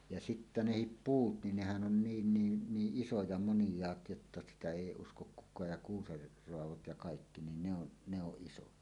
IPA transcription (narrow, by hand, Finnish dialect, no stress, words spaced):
jɑ sitːæ nehip puːt nin nehæn ʔon niːn niːn niːʔ ʔisojɑ monĭjˑɑːt jotːɑ sitæ eˑi uskok ʔkukˑɑːj jɑ ʔkuːser roɑʋot jɑ kɑikːi nin ne on ne oʔ ʔisojɑ